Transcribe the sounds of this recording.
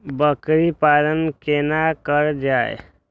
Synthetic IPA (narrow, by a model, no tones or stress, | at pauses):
bəkɾipalənkenakəɾd͡ʒae